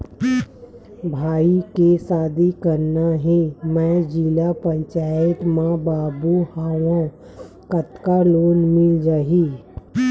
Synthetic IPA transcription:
bʱaːikesaːd̪ikəɾnaɦẽmɛ̃d͡ʒilapə̃ɲt͡ʃaːjət̪mãbaːbuhaːwã | kət̪kaloːnmɪld͡ʒaːɦiː

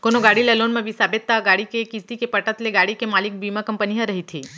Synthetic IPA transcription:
konoɡaːɽilelonmẽbʱisaːbet̪ːaɡaːɽikekist̪ikepəʈət̪leɡaːɽikemaːlik̚bimakəmpəniɦəɾəɦit̪ʰiː

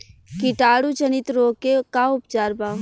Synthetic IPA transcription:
kɪʈaːɽut͡ʃənɪt̪ɾoːkekaʊpt͡ʃaːɾbaːʋ

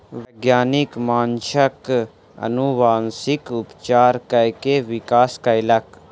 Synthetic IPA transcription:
ʋɐɡjaːnikmaːnʃɐk | ɐ̰nuʋaːnsikʊpt͡ʃaːɾkɐjkeʋikaːskailɐk

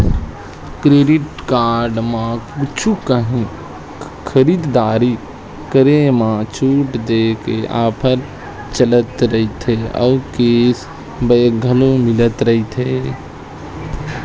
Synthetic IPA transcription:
kɾeːɖɪʈkaːɾɖmãkut͡ʃʰukəɦĩ | kʰəɾiːd̪d̪aːɾi | kəɾemãt͡ʃʰuːʈd̪eːkea̰ːpʰəɾ | t͡ʃələt̪ɾəɦit̪ʰeɔ̰ːkeːs | beɡʱəlomɪlət̪ɾəɦit̪ʰɦeː

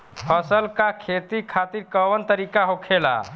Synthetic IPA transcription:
pʰəsəlkakʰet̪ikʰat̪iɾkəʋənt̪əɾikaɦokʰela̰

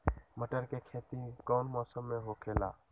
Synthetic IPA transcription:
məʈəɾkekʰet̪ikɔʊnmɔsəmːeɦokʰela̰

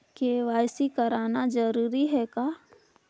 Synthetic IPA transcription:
keʋaːɪsikəɾaːnad͡ʒəɾuːɾiɦɛkaː

